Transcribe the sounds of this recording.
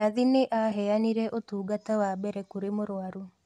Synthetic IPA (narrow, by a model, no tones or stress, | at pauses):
aðineʔaɦɛaniɾɛʔotuːɡatawabɛɾɛkuɾemoɾwaɾu